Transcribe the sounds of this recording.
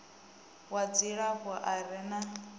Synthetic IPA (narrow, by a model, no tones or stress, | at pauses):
wad͡ziɺaβʊʔaɾɛna